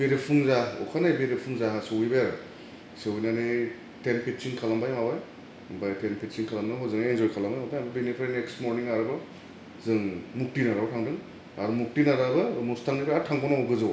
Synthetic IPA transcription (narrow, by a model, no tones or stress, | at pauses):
beɾepʰuŋzaɔ̰kʰanajbeɾepʰuŋzaasɯwibajaɾɯ | sɯwijnane | tenpʰit̚siŋkʰalambajmawaj | bajtʰenpʰit̚t͡ʃiŋkʰalamnɯɦozɯŋaenzɔjkʰalambajmabaambɐbenipʰɾajnekstmoɾniŋaɾɯbɯ | zɯŋmuk̚tinaɾabatʰaŋdɯŋ | aɾumuk̚tinaɾabɐmustʰaŋnibaaɾtʰaŋpʰɔnaɔɡɯzɯw